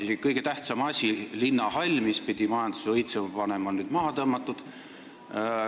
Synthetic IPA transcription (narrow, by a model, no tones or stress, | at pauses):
isi̥kɤjɡ̥e̞t̪æht̪sɑmɑsʲilinːɑhɑlʲmispid̪̥ʲimɑjɑnd̪̥u̥sɤjt̪sepɑne̞mɑnyːd̪mɑɦɑt̪ɤmːɑt̪ːˑud̪̥